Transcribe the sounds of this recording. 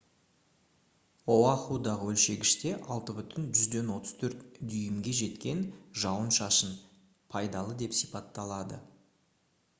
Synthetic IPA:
owɑχud̪ɑʁəwɵlʃe̞ɡʲɪʃt̪e̞ʔɑlˠt̪əbʏt̪ɪnʒʏzd̪e̞nwo̞t̪ə̥z̥t̪ʰɵɾt̪d̪ʏjɪmɡʲe̞ʒe̞t̪kʲe̞nʒɑwənʃɑʃən | pʰɑjd̪ɑlˠəd̪e̞psijpɑt̪ːɑlˠɑd̪ə̰

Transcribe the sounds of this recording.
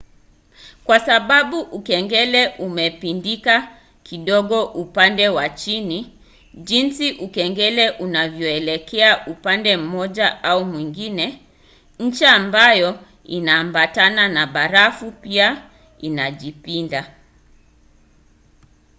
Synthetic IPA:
kwasaɓaɓuʔukɛŋɡɛlɛʔumɛpindika | kiɗɔɠɔʔupandɛwat͡ʃini | ʄinsiʔukɛŋɡɛlɛʔunavjɔɛlɛkʰɛaʔupandɛm̩mɔʄaaumwiŋɡinɛ | ɲ̩t͡ʃaːmbajɔ | inaːmbatananaɓaɾafupia | inaʄipinda

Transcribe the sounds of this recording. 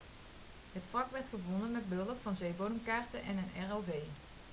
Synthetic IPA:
ɦətflɑkʋɛɹtχəʋɔnənmɛd̚bəɵləpfɑnzejbownəmkaːɹtəʔɛnənɛɹowvej

